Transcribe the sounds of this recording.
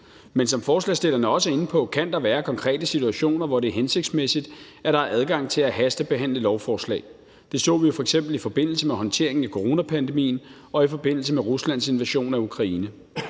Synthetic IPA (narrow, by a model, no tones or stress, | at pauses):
mensɒ̽mfɒːslɛ̰sd̥e̝l̰ɐnəɒ̽səe̝nn̩pʰɒ̽kʰænd̥ɑ̈ʋæːɐkʰɒ̽ŋkʰʁɛ̰ːd̥əsit͡sʰuæɕo̝̰ːnɐʋɒɾ̥e̝ɐɦense̝ɡ̥d̥smesid̥ | æɐɾ̥ɑ̈æʔæð̞ˠɡ̥ɑ̈ŋ̰t͡sʰe̝læɦæsd̥əb̥e̝ɦæn̰ləlɒʊfɒːslɛ̰ːɪ | d̥e̝sɔ̰̽ːʋijo̝fɒeɡ̥sem̰b̥l̩ifɒ̽b̥e̝n̰l̩səmeɦɒ̽nt͡sʰe̝ɐ̰e̝ŋn̩ækʰo̝ʁo̝ːnæpʰænd̥e̝mḭːn | ɒ̽ifɒ̽b̥e̝n̰l̩səmeʁuslæn̰se̝nʋæɕo̝̰ːnæukʰʁɑ̈iːnə